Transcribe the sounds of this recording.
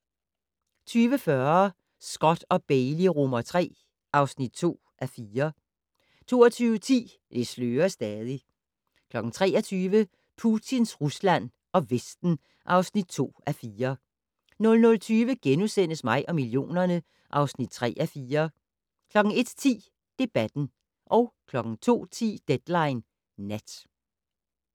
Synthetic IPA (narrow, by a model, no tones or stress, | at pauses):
t͡sʰyːʋəfɶɐ | sɡ̥ɒ̽d̥ɒ̽b̥eɪliʁɔmɐt͡sʰʁɛ̰ː | ʔɑ̈ʊsnid̥̚t͡sʰo̝̰ː | ʔæfiːɐ | t͡sʰo̝̰ːɒt͡sʰyːʋət͡sʰḭː | d̥e̝sløːɐsd̥ɛːðˠi | kʰlɒ̽ɡ̥ŋ̩t͡sʰʁɛ̰ːɐt͡sʰyːʋə | pʰut͡sʰinsʁuslæn̰ | ɒ̽ʋesd̥n̩ | ʔɑ̈ʊsnid̥̚t͡sʰo̝̰ːʔæfiːɐ | nɔ̽lnɔ̽lt͡sʰyːʋəɡ̥enusen̰əsmɑ̈ɪʔɒ̽milio̝̰ːnɐnə | ʔɑ̈ʊsnid̥̚t͡sʰʁɛ̰ːʔæfiːɐ | kʰlɒ̽ɡ̥ŋ̩e̝d̥t͡sʰḭː | d̥e̝b̥æd̥n̩ | ʔɒ̽ʊkʰlɒ̽ɡ̥ŋ̩t͡sʰo̝̰ːt͡sʰḭːd̥ed̥lɑ̈ɪnː | æd̥